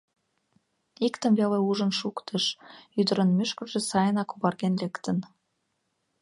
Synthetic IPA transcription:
ikt̪ə̆mβeleuʒənʃukt̪ʰəʃyd̪ə̆ɾənmyʃkərʒĕsɑjənɑkuβɑrɣenlekt̪ən

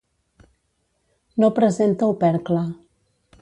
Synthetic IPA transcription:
nopɾəzent̪əupɛɾkla

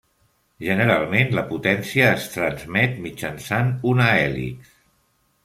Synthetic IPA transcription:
ʒənəɾalˠmenləput̪ɛnsiəːst̪ɾənzmɛt̪mid͡ʒənsanunaɛlḭk

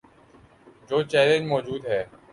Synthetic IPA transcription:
d͡ʒoːt͡ʃɛːlẽnd͡ʒmɔːd͡ʒuːd̪ɦɛː

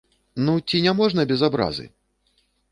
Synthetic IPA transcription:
nut͡sʲinʲamɔʐnɐbʲɛzabɾa̰zɨ̰

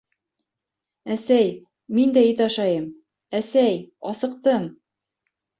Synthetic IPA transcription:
æsæj | mind̪æit̪ɑʃɑjɤm | æsæjɒsɤ̆q̚t̪ɤɴ

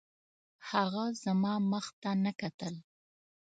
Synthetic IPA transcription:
haɣazamɑməxt̪anəkat̪əl

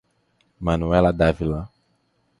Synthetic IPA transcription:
mãnuɛlad̪avilã

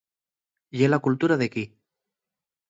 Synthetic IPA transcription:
jelakult̪uɾaðeki

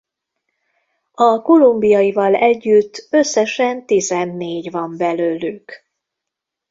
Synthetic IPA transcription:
ɒko̞lumbijɒivɒlɛɟːyt̪ːøsːɛʃɛnt̪izɛnːeːɟvɒmbɛløːlyk

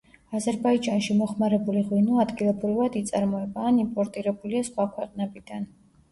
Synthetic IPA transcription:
azɛɾbaid͡ʒanʃimɔχmaɾɛbuliʁwinɔad̪ɡilˠɔbɾivad̪it̪sʼaɾmɔɛbaːnimpʼɔɾt̪ʼiɾɛbuliasχwakʰwɛqʼnɛbid̪̥an

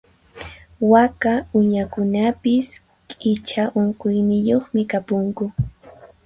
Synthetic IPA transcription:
wakaʊɲakʊnapɪs | kʼɪt͡ʃaʔoɴqʊjnɪjoχmɪkapoŋkʊ

